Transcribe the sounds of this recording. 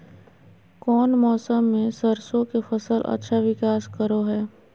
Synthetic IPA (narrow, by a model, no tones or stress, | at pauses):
kɔːnmɔːsəmːẽsɐɾsõkefɐsəlʔɐ̰tːʃʰaʋɪkaːskəɾoɦɛː